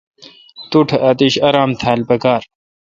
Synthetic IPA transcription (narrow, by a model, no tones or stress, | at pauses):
t̪uʈʰʔɐt̪iɕɐɾaːmt̪ʰaːlpɐkaːɾ